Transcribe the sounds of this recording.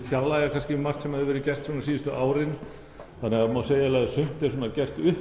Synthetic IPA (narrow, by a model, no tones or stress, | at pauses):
fjawlaɪɣaɾkʰanscɪmar̥t̪sɛmhaðɪɾvɛːɾɪcɛr̥t̪sɔːnasiːðʏst̪ʏʔaːwɾɪn | θanːɛɣamaseːjalajðsʏm̥t̪ɛɾ̥s̬ɔːnacɛr̥t̪ʏ